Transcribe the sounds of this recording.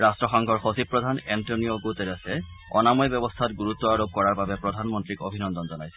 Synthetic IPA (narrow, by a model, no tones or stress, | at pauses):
ɹastɹɔxɔŋkʰɔɹxosib̚pːɹɔdʱanɛntonioɡoteɾasɛ | ɔ̰namɔjbɔbɔstʰatɡuɹutːɔaɹob̚kɔɹaɹbabɛpɹɔdʱanmɔntɹiko̰bʱinɔndɔnzɔnajsɛ